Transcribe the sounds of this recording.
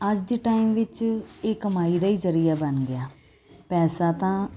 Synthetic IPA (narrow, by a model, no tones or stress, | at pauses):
əd͡ʒd̪iːʈaːiːmʋɪt͡ʃeːkəmaːiːd̪aːiːzəɾijaːbənɡɪjaː | pɛːsaːt̪ãː